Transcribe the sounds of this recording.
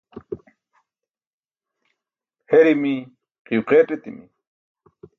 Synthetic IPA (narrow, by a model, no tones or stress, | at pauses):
heɾimi | qiwqeːʈet̪ḭmḭ